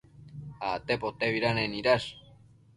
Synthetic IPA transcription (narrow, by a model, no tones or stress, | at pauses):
at̪epot̪eβiɾaneniɾas